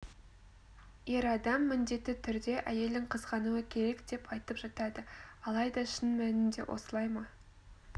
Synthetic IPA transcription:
je̞ɾɑd̪ɑmːɪnd̪e̞t̪ːɪt̪ʰʏɾd̪e̞ʔæje̞ld̪ɪŋqʰəzʁɑnuəkʲʰe̞ɾe̞kd̪̥e̞pɑjt̪əpʒ̥ɑt̪ɑd̪əɑlˠɑjd̪ɑʃɪnmænɪnd̪e̞̰wʔo̞̰səlˠɑjmɑ

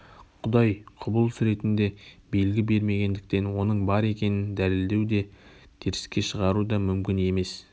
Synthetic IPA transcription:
qʰʊd̪ɑjqʰʊbəlˠsɾe̞t̪ɪnd̪e̞bejlɡʲɪbe̞ɾme̞ɡʲe̞nd̪ɪk̚t̪e̞nwo̞nəɴbɑɾe̞kʲe̞nɪnd̪ælɪld̪e̞wd̪e̞t̪ʰeɾɪ̥skʲe̞ʃəʁɑɾud̪ɑmʏmkʲɪne̞me̞s

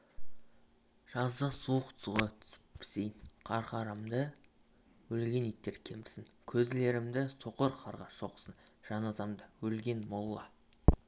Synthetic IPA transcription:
ʒ̥ɑzd̪əsuwəqt̪ʰʊ̥zʁɑt̪ʰʏ̥spʰɪ̥sejnqʰɑɾqɑɾɑmd̪ə | wɵlɡʲe̞nit̪ːe̞ɾkʲʰe̞mɪɾsɪŋkʲʰɵzle̞ɾɪmd̪ɪso̞qəɾqʰɑɾʁɑʃo̞qə̥sənʒ̥ɑnɑzɑmd̪əwɵlɡʲe̞nmolˠːɑ

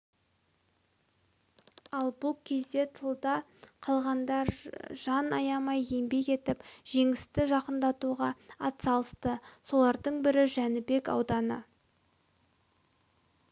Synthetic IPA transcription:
ɑlˠbʊlˠkʲʰe̞zd̪e̞t̪ʰəlˠd̪ɑ | qʰɑlˠʁɑnd̪ɑɾʒ̥ɑnɑjɑmɑje̞mbe̞ke̞t̪ɪpʒ̥e̞ŋɪst̪ɪʒɑqənd̪ɑt̪uʁɑɑt̪sɑlˠəst̪əso̞lˠɑɾd̪əɴbɪɾɪʒænɪbe̞kɑ̰wd̪ɑnə̰

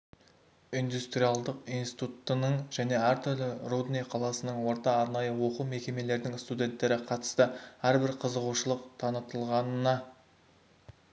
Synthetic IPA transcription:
ijnd̪ust̪rijalˠd̪əqijnsi̥t̪ut̪ːənəɴʒæne̞æɾt̪ʰʏɾlɪrud̪nejqʰɑlˠɑsənəɴwo̞ɾt̪ɑːɾnɑjəwo̞qume̞kʲe̞me̞le̞ɾd̪ɪŋst̪ud̪ʲe̞nt̪ːe̞ɾɪqʰɑt̪ə̥st̪əæɾbɪɾqʰəzəʁuʃəlˠəqt̪ʰɑnət̪əlˠʁɑnənɑ

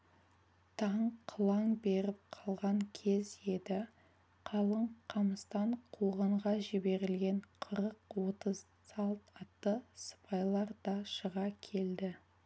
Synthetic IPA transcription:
t̪ʰɑɴqʰəlˠɑŋbe̞ɾɪp̚qʰɑlˠʁɑŋkʲʰe̞ze̞d̪ɪ | qʰɑlˠəɴqʰɑməst̪ɑɴqʰoʁɑɴʁɑʒɪbe̞ɾɪlɡʲe̞ɴqʰəɾəq̚wo̞t̪əz | sɑlˠt̪ɑt̪ːəsə̥pɑjlˠɑɾd̪̥ɑʃəʁɑkʲʰe̞ld̪ɪ

